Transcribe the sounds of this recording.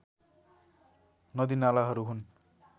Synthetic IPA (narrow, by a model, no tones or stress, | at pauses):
nʌd̪inalaɦʌɾuɦun